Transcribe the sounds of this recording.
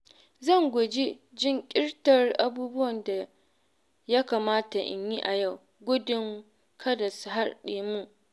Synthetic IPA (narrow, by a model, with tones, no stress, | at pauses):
zɐ˦˨ŋɡʷʊ˨d͡ʒi˦ | d͡ʒɪ˦ŋkʲʼɪ˦rtɐ˨rʔa˨buː˦bʊ˦wɐ˨nda˨ | ja˦kaː˨maː˦ta˨ʔɪ̰˨ɲji˦ʔa˨ja˦˨w | ɡʷʊ˦dɪ˦ŋ | kʰɐ˦dɐ˨sɦa˦rɗeː˨mu˦ʔ